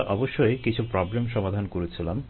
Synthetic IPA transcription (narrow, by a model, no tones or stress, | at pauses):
ʔɔboʃːojkit͡ɕʰupɾɔblemʃɔmad̪ʱankoɾet͡ɕʰilam